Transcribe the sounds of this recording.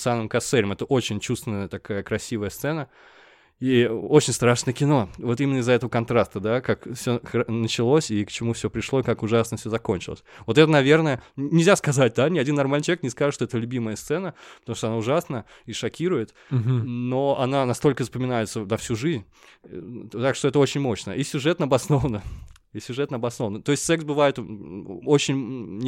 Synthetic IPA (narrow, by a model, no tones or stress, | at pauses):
sanɨmkɐsɛɾʲɪmɛt̪əʔo̞t͡ɕɪnʲt͡ɕust̪vɪnəjət̪ɐkajəkɾɐsʲivəjəst̪sɛnə | iot͡ɕɪnʲst̪ɾaʂnəjəkʲɪno̞vo̞t̪imʲɪnːəɪzːəɛt̪əvəkɐnt̪ɾast̪əd̪akakfsʲoxnət͡ɕɪlˠosʲikt͡ɕɪmufsʲopɾʲɪʂlˠo̞ɪkakʊʐasnəfsʲɵzɐko̞nʲt͡ɕɪ̰lˠə̰sʲvo̞t̪ɛt̪ənɐvʲernəjənʲɪlʲzʲaskɐzat̚ʲd̪anʲɪɐdʲinːɐrmalʲit͡ɕɐvʲeknʲɪskaʐɨʂt̪oɛt̪əlʲʉbʲiməjəst̪sɛnəpə̥t̪ɐmuʂt̪oɐnaʊʐasnə | iʂɐkʲiɾʊjɪt̪ | noɐnanɐst̪o̞lʲkəzəpəmʲɪnajɪt̪sənɐfsʲuʐɨzʲnʲ | t̪akʂt̪oɛt̪əo̞t͡ɕɪnʲmo̞ɕnə̰isʲʊʐɛt̪nəɐbɐsno̞vənə | isʲʊʐɛt̪nəɐbɐsno̞vənət̪o̞ɪsʲtʲsɛksbɨvajɪt̪ | ot͡ɕɪnʲ